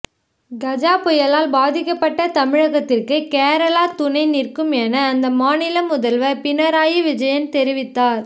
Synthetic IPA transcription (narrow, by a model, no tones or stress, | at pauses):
ɡɐd͡ʒaːpɔjɐlaːlbaːðɪkːɐpːɐʈːɐt̪ɐmɪɻɐɣɐt̪ːɪrkɯkeːɾɐlaːt̪ʊnɐɪnɪrkɯmɛnɐːnd̪ɐmaːnɪlɐmʊðɐlʋɐpɪnɐɾaːjiʋɪd͡ʒɐjɐnt̪ɛɾɪʋɪt̪ːaːɾ